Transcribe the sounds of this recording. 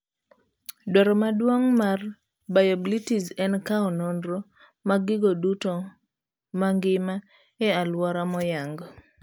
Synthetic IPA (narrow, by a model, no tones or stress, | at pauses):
dɔɾɔmadwoŋmar | bajabilitizɛnkaɔnɔndɾo | maɡɪɡoduto | maŋɡɪma | ɛalwɔɾamɔjaŋɡɔ